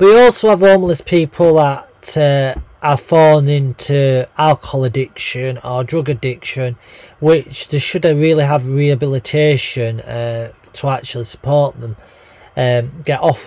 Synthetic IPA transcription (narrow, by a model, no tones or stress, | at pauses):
b̥ʌʔəɔˑlˠsoʊəvõːmləspʰiˑpʰəl̩ˠðəʔtəʔəfɔːl̃ˠnɪ̃ntʰualˠkəhɔlˠɪdɪkʃə̃nədɹʊɡədɪkʃə̃nwɪt͡ʃðəʃʊdɹɪːlˠiəvɹiəbɪlˠɪtʰeɪʃə̃nə | tʰəak̚t͡ʃul̩ˠɪsə̥pʰɔɹʔðə̃m | əmɡ̥ɛʔɔf